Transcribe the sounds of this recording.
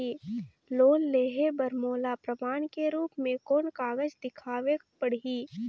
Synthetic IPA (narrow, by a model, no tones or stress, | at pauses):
iː | loːlleːɦebəɾmoːlapɾəmaːnkeɾuːpmẽkoːnkaːɡəd͡ʒd̪ɪkʰaːʋe | pəɽ̤iː